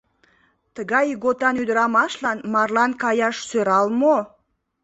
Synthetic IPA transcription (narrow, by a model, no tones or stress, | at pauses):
t̪əɡɑjɡot̪ɑnyd̪əɾɑmɑʃlˠɑnmɑrlˠɑnkɑjɑʃsøɾɑlˠmo